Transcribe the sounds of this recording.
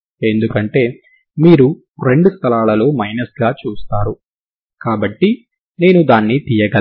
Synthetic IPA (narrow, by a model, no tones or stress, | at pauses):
e̞nd̪ukɐɳʈe̞ː | miːɾu | ɾe̞ɳɖust̪ʰɐlaːlɐloːmɐjnɐsɡaːt͡ʃuːst̪aːɾu | kaːbɐʈːi | ne̞ːnud̪aːnːit̪ijɐɡɐ